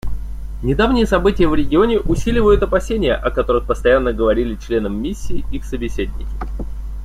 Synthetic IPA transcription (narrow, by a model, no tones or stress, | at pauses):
nʲɪd̪avnʲɪjəsɐbɨtʲɪjəvɾʲɪɡʲɪonʲɪʔʊsʲilʲɪvəjʊt̪ɐpɐsʲenʲɪjə̰ʔɐkɐt̪o̞ɾɨxpəst̪ɐjanːəɡəvɐɾʲilʲɪt͡ɕlʲe̞nəmːʲisʲːiːixsəbʲɪsʲed̪ʲnʲɪkʲɪ̥